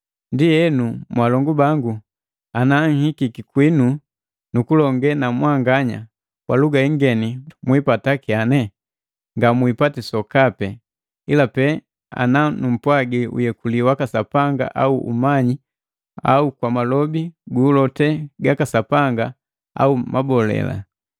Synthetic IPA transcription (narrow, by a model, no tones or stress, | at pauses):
ndijɛnumwalɔŋɡubaŋɡu | anaŋ̩hikikikwinu | nukulɔŋɡɛnamwaŋɡaɲa̰ | kwaluɡaiŋɡɛnimwipatakianɛ | ŋɡamwipatisɔkapɛ | ilapɛ | a̰nanum̩pwaɡiṵjɛkuliwakasapaŋɡa̰ʔauʔṵmaɲi | a̰ukwamalɔbiɡuːlɔtɛɡakasapaŋɡa | a̰umʔabɔlɛ̰la̰